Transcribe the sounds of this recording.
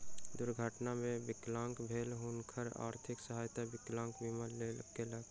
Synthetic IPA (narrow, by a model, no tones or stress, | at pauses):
d̪ʊɾɡʱəʈnamẽbɪklãːŋkbʱeːlɦʊnkʰəɾa̰ːɾt̪ʰɪksəɦaːjt̪abɪklãːŋkbimaleːl̰keləɡ